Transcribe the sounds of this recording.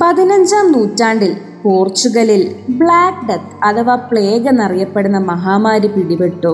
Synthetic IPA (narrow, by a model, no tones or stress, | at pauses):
pɐðinɐɲd͡ʑaːmnuːtːaːɳɖil | poːrt͡ɕːuɣɐlilbɭaːkɖet̪ɐt̪ʰɐʋaːpɭeːɡɐnɐrijɐpːe̞ɽunːɐmɐɦaːmaːɾipiɽibeʈːu